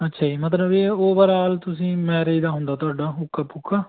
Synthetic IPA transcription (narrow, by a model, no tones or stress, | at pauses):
ətːʃʰaːiːmət̪̬ləbeːoːbəɾaːlt̪ʊsĩːmɛ̃ːɾəid̪aːɦʊ̃nd̪aːt̪ʊaːɖaːʊkːaːpʊkʰːaː